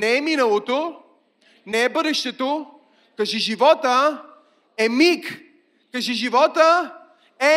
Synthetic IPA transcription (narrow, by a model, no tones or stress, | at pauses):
nɛːminəlˠot̪o | nɛːbəd̪ɛʃt̪ɛt̪o | kəʒɛʒivɔt̪ə | ɛmik | kəʒɛʒivɔt̪ə | ɛ